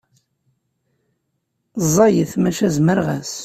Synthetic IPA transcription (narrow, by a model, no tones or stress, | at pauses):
zˤːɑjəθmæʃæzməɾʁæs